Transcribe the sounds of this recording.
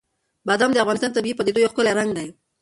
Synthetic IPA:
bɑd̪amd̪eafɣɑnɪst̪ɑnt̪abiipəd̪ed̪ojoxkəlaɾaŋɡd̪aj

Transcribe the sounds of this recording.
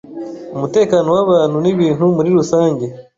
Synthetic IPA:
umute̞ːkanowaβaːn̥uniβiːntumuɾiɾusaːɲɟe

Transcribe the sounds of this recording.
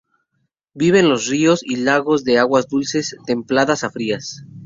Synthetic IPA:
biβ̞e̞nlo̞srio̞silaɣo̞zðe̞aɣwazd̪ulse̞st̪e̞mplaðasafɾias

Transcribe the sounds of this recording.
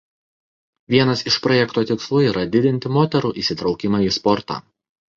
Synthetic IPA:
ʋʲiɛnɐsɪʃpɾɔjɛkt̪oːt̪ʲɪkslˠuːiːɾʔɐd̪ʲɪd̪ʲɪnʲt̪ʲɪmoːt̪ʲɛɾuːʔiːˑsʲɪt̪ɾɒʊkʲɪmɑiːspɔɾt̪ɑ̰ː

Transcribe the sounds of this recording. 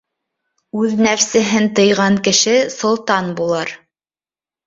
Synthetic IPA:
ʉðnæfsɘ̆ɦɘnt̪ɤ̆jʁɑŋkɘ̆ʃɘsŏlˠt̪ɑnbulˠɤɾ

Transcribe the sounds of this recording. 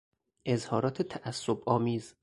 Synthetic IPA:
ʔe̞zhɒːɾɒːt̪ʰet̪ʰæʔæsːobʔɒːmiːz

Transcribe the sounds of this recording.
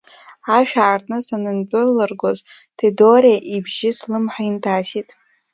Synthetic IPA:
aʃᶣaːrtʰʼnɨsanɨnbʼʊlɨrɡʷoz | tʰidoɾaʔibʒɪslɨmħaintʰaːsitʼ

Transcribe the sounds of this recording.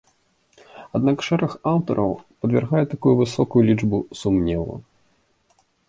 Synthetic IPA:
ad̪nakʂɛɾɛxawt̪ɔɾʔɐ̰wpɐd̪vʲa̰rɣajɛt̪akujuvɨsɔkujulʲid͡ʐbusumnʲɛlˠɐ̰

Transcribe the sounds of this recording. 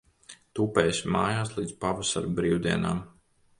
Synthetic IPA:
t̪uːpɛːjsʲmaːjaːslˠiːd̪spavasaɾbɾiːwd̪iɛna̰ːm

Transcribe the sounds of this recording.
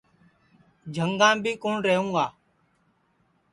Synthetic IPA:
d͡ʒʱəŋɡãːbʱiːkuːɳɾəɦũːɡaː

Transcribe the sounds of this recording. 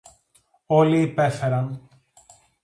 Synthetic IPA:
o̞liːpe̞fe̞ɾɐn

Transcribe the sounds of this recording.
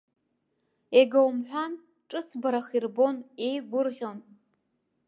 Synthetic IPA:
eɡawmħʷᶣan | ʈ͡ʂʼɨt͡sʰbaɾaχirbo̞ne̞jɡʷʊrʁʲo̞n

